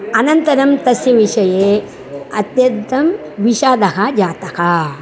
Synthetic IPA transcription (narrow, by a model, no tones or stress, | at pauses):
ɐnɐnt̪ɐɾɐmt̪ɐsjɐʋiʂɐjeː | ɐ̰t̪jɐnt̪ːɐm | ʋiʃaːd̪ɐɦad͡ʒaːt̪ɐka